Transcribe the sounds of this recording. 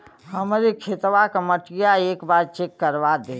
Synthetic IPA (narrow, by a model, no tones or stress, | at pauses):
həmɾikʰet̪ʋakəməʈɡjaeːkbaːɾt͡ʃekːəɾʋad̪e